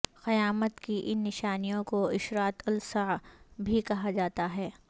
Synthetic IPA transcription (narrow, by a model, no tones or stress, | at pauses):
xɐjaːmət̪kiʔɪnːɪʃaːnijõkoɪʃɾaːt̪ʰʊlsabʱikɐɦad͡ʒaːt̪aɦɛː